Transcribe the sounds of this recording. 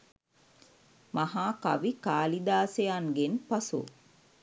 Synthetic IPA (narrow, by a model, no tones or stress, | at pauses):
mahaːka̰ʋikaːlid̪aːsejaŋɡenpɐsṵ